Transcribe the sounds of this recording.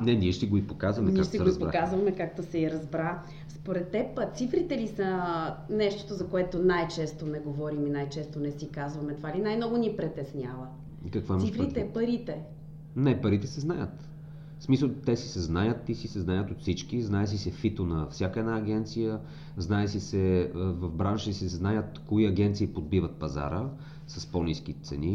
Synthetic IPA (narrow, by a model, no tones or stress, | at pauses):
nɛnʲiɛʃt̪ɛɡoipokazvɐmɛnkiaɛʃot̪ɛsɛɾoipoɾakazvɐmɛkak̚t̪osɛiɾɐzbɾa | spoɾɛt̪ːɛpːt̪sifɾit̪ɛlisənɛʃt̪o̥t̪ozɐkoɛt̪onajt͡ʃɛst̪onɛɡovɔɾiminajt͡ʃɛst̪onɛsikazvɐmɛt̪ovalinajmnɔɡonʲipɾɛt̪ɛsnʲavə | kɐkvaɛmifɾit̪ɛɛpɐɾit̪ɛ | nɛpɐɾit̪ɛsɛznajət̪ | smisəlˠt̪ɛsisɛznajət̪isisɛznajət̪ot̪fsit͡ʃkiznaɛs̬isɛfit̪onɐfsʲjakəɛd̪naːɡ̟ɛnt̪sijə | znaɛsisɛəvɐvbɾanʃisɛznajət̪koiɐɡɛnt̪siːpod̪̚bivət̪̚pɐza̰ɾə | sɐspɔnisk̟it̪sɛ̰ni